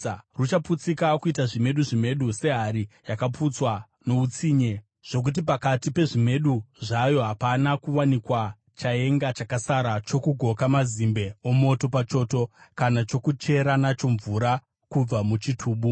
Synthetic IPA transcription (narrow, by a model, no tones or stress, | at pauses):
rut͡ʃaput͡sikakuitaʐime̞ɗuʐime̞ɗuse̞ɦaɾijakaput͡swa | no̞ut͡siːɲe̞ | ʐ̥o̞k̬ut̬ipakatipe̞ʐime̞ɗuʐajo̞ɦapanakuwanikwa | t͡ʃae̞ŋɡat͡ʃakasaɾat͡ʃo̞kuɡʱo̞kamazimbe̞omo̞to̞pat͡ʃo̞ːto̞kanat͡ʃo̞kut͡ʃe̞ɾanat͡ʃo̞ɱvuɾa | kub͡vamut͡ʃitʰuːɓu